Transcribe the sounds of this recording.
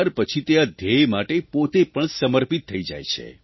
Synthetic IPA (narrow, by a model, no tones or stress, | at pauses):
ɾpət͡ʃʰit̪ead̪ʱejmaʈepot̪epəɳsəməɾpit̪ʰːəid͡ʒa̰jt͡ʃʰḛ